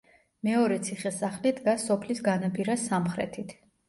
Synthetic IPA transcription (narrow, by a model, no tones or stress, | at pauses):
mɛɔɾɛt̪sʰiχɛsaχlid̪ɡasɔpʰlisɡanapʼiɾasamχɾɛ̰t̪ʰit̪ʰ